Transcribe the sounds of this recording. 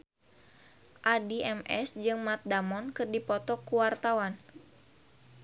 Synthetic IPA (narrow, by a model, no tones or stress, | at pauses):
ʔadiʔɛmɛsd͡ʒɨŋmat̪̚damɔnkɨrdipɔt̪ɔkuwart̪awan